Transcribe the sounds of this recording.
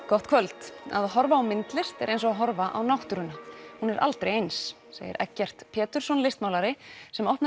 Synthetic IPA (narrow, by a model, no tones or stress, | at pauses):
kɔht̪kʰvœlt̪a̰ðɦɔɾvaːwmɪnt̪lɪr̥t̪ɛɾʔejnsɔaɦɔɾvaʔa̰wnawht̪ʏɾʏnahunɛɾʔa̰lt̪ɾḛjejns | sḛːjɪ̰ɾʔɛ̰cːɛr̥t̪pʰɛːt̪ʏɾ̥sɔnlɪst̪mawlaɾɪsɛmɔhpna